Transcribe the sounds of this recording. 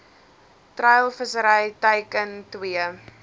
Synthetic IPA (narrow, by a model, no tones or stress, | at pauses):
trɐjlˠfəsəɾəjtəjkəntwiə